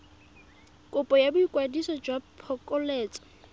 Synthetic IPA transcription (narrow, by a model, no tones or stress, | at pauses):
kʼʊpʼɔjabʊikʼwadisɔd͡ʒwapʰɔkʼɔleːt͡sʼɔ̥